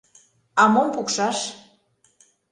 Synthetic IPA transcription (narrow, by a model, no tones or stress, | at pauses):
ɑmompukʃɑʃ